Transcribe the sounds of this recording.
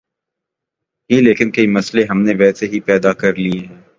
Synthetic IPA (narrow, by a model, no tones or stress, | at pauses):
ɦĩleːkɪnkɐimɐsleɦɐmneʋɛːseɦipɛːd̪akɐɾlieɦɛ̃ː